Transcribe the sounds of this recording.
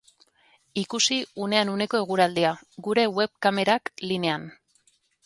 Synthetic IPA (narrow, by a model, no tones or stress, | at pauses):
ikusiune̞anune̞ko̞e̞ɣuɾald̪iaɡuɾe̞we̞βkame̞ɾakline̞an